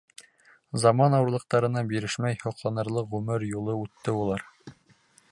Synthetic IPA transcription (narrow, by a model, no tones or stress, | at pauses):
zɑmɑnɑwɤ̆ɾlˠɤ̆q̚t̪ɑɾɤ̆nɑbiɾɘʃmæjhŏqlˠɑnɤ̆ɾlˠɤqʁʉmɘɾjulˠɤʉt̪ːɘulˠɑɾ